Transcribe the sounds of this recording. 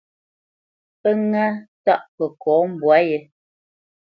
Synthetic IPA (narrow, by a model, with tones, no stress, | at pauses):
pə˦ŋa˦ta˦˨ʔpə˨kɔː˨˦m̩˨bwa˨˦je˦